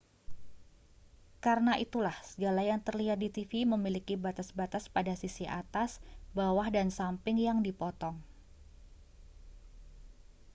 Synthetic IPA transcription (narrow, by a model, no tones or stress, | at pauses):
kaɾənaʔit̪ulahsəɡalajaŋt̪ərliat̪̚dit̪ifiməmilikibat̪asbat̪aspadasisiʔa̰t̪asbawahdansampɪŋjaŋdipɔt̪ɔŋ